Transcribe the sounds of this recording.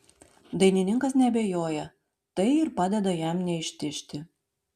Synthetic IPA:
d̪ɐjnʲinʲɪŋkɐs̬nʲɛɐbʲejojɛ | t̪ɐjirpɑd̪ʲɛd̪ɐjæmnʲɛiʃt̪ʲɪʃt̪ʲɪ

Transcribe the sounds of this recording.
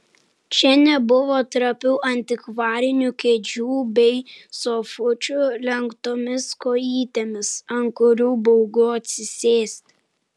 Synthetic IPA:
t͡ʃʲɛnʲɛbʊʋoːt̪ɾɐpʲuːʔɐnʲt̪ʲɪkʋɑːɾʲɪnʲukʲeːd͡ʒʲuːbʲɛɪsofʊt͡ʃʲʊlʲɛŋkt̪oːmʲɪskoːiːt̪ʲeːmʲɪsɐŋkʊɾʲuːbɔʊɡʊɐt̪ʲsʲɪsʲeːsʲt̪ʲ

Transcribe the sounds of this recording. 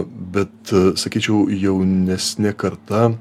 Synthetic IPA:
bʲɛt̪sɐkʲiːt͡ʃʲɛʊjɛʊnʲɛsʲnʲɛkɐɾt̪ɐ

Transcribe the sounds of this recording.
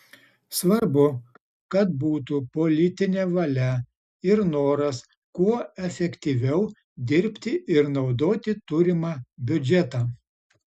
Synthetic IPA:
sʋɐɾbʊ | kɐt̪̚buːt̪upɔlʲɪt̪ʲɪnʲeːʋɐlʲɛ | ɪɾnoːɾɐs | kuɔɛfʲɛkʲt̪ʲiːʋʲɛʊ | d̪ʲɪɾʲpʲt̪ʲɪɪɾnɒʊd̪oːt̪ʲɪt̪ʊɾʲɪmɑːbʲʊd͡ʒʲɛt̪ɑː

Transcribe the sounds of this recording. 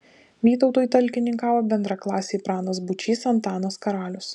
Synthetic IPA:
ʋʲiːt̪ɔʊt̪oːjiˑt̪ɐlʲkʲɪnʲɪŋkɑːʋoːbʲɛnd̪ɾɑːklˠɑːsʲeipɾɑːnoːsbʊt͡ʃʲiːsɐnt̪ɑːnoːskɐɾɑːlʲʊs

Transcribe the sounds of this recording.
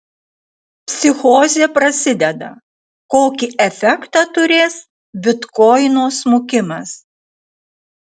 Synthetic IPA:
pʲsʲɪxoːzʲeːpɾɐsʲɪd̪ʲɛd̪ɐ̰ | koːkʲiʔɛfʲɛkt̪ɑt̪ʊɾʲeːs | bʲɪt̪kɔɪnoːsmʊkʲɪmɐs

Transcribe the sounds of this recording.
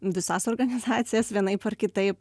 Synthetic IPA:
ʋʲɪsɑːsoːrɡɐnʲɪzɑːt̪sʲɪjɛsʋʲiɛnɐɪpɐrkʲɪt̪ɐɪp

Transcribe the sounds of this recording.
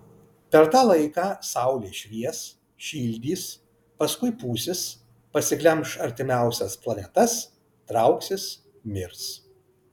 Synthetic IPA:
pʲɛɾt̪ɑːlˠɐɪkɑːsɑˑʊlʲeːʃʲʋʲiɛs | ʃʲiːlʲd̪ʲiːs | pɐskʊɪpuːsʲɪs | pɐsʲɪklʲɛmʃɐɾʲt̪ʲɪmʲæˑʊsʲɛsplˠɐnʲɛt̪ɐs | t̪ɾɐˑʊksʲɪs | mʲɪɾs

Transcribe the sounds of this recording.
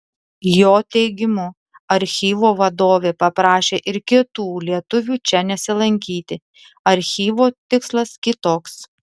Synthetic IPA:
joːt̪ʲɛɪɡʲɪmʊ | ɐɾʲxʲiːʋoːʋɐd̪oːʋʲeːpɐpɾɑːʃʲeːʔɪɾkʲɪt̪uːlʲiɛt̪ʊʋʲuːt͡ʃʲɛnʲɛsʲɪlˠɐŋʲkʲiːt̪ʲɪ | ɐɾʲxʲiːʋoːt̪ʲɪkslˠɐskʲɪt̪oːks

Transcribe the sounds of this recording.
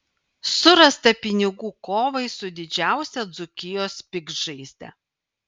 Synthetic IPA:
sʊɾɐst̪ɐpʲɪnʲɪɡuːkoːʋɐɪsʊd̪ʲɪd͡ʒʲæˑʊsʲɛd̪zʊkʲɪjoːspʲɪɡʒɐɪsʲd̪ʲɛ̰

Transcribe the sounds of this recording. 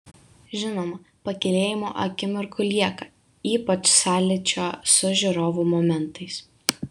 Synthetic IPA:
ʒʲɪnoːmɐ | pɐkʲɛlʲeːjɪmo̰ːʔɐ̰kʲɪmʲɪɾkʊlʲiɛkɐ | iːpɐt͡ʃsɑːlʲɪt͡ʃʲoːsʊʒʲɪɾoːʋuːmɔmʲɛnt̪ɐɪs

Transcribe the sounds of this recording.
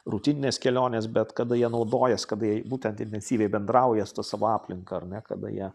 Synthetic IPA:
rut̪ʲɪnʲɪnʲeːskʲɛlʲoːnʲeːsbʲɛt̪kɐd̪ɐjiɛnɐʊd̪oːjɛskɐd̪jiɛbuːt̪ʲɛnt̪ɪnʲt̪ʲɛnʲsʲiːʋʲɛɪbʲɛnd̪ɾɐʊjɛst̪ɐsɑːʋoːɑːpʲlʲɪŋkɐɐɾnʲɛkɐ̰d̪ɐ̰jḭɛ

